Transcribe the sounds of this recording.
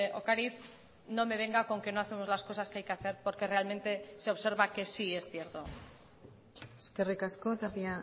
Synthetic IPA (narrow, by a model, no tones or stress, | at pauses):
o̰kaɾiθ | no̞me̞βe̞ŋɡako̞ŋke̞no̞aθe̞mo̞zlasko̞saskeajke̞aθe̞ɾpo̞ɾke̞re̞almẽ̞nt̪e̞se̞o̞βse̞ɾβake̞sie̞sθje̞ɾt̪o̞ | eskerikaskot̪apia